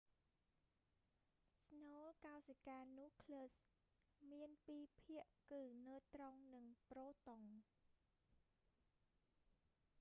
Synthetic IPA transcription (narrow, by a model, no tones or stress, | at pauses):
sɲoːlkaɔsəkaːnŭəhkʰləːs | miənpiːpʰiəʔkɨːnəːt̪roŋnɨŋproːt̪oŋ